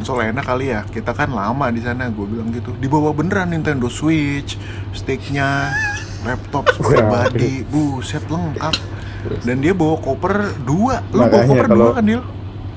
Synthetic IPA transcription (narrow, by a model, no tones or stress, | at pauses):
nsolaɛnakalijakit̪akanlamadisanaɡuabilaŋɡit̪udibawabənəɾanint̪ɛndoswit͡ʃ | st̪ik̚ɲa | lɛp̚t̪ɔp̚spɾibadibusɛt̪ləŋkap̚ | dandiabawakopərduaʔlobawakkopərduakandial